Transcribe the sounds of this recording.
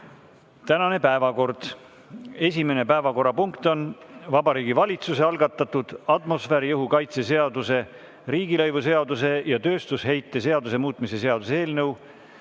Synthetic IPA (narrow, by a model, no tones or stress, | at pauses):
t̪ænɑne̞pæevɑko̞rd̪̥ | e̞sʲime̞ne̞pæevɑko̞ɾɑpuŋkt̪o̞nvɑbɑɾiːɡ̥ivɑlʲit̪suse̞ɑlɡ̥ɑt̪ːˑɑt̪ud̪̥ɑt̪mo̞sfæɾijɤɦukɑjt̪se̞se̞ɑd̪use̞ | ɾiːɡilɤjvuse̞ɑd̪us̬e̞jɑt̪ø̞ːst̪ushe̞jt̪ːˑe̞se̞ɑd̪us̬e̞muːt̪ˑmise̞seɑd̪̥useeːlnɤw